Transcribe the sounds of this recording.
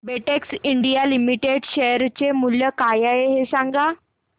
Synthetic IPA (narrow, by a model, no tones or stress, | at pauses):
beʈeksiɳɖijalimiʈeɖɕejəɾt͡ɕemuljəkajaeɦesãŋɡa